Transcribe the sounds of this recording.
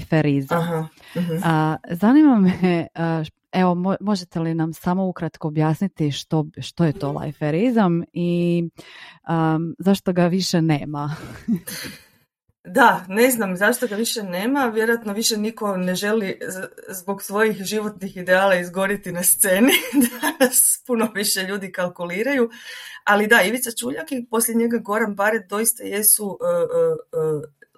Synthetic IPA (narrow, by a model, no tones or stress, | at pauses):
feɾizaɦa | zanimame | eʋo̞momo̞ʒet̪e̞linamsamo̞ukɾat̪ko̞ːbjaːsnit̪iʃt̪o̞ʃt̪ojet̪o̞lˠa̰jfeɾizami | əzaʃt̪o̞ɡaʋiʃene̞ːma | d̪ane̞znamzaʃt̪o̞ɡaʋiʃe̞ne̞ːmaʋjeɾojat̪no̞ʋiʃeniko̞ne̞ʒe̞lizbo̞ɡsʋo̞jixʒiʋo̞t̪nixid̪eaːlˠaizɡo̞ɾit̪inast̪se̞ːnid̪anaspuno̞ʋiʃe̞ʎuːd̪ikalˠkuliːɾajualid̪aiʋit̪sat͡ʃuːʎakipo̞slʲʎeɲe̞ɡaɡo̞ɾambaɾed̪o̞ist̪aje̞suʔə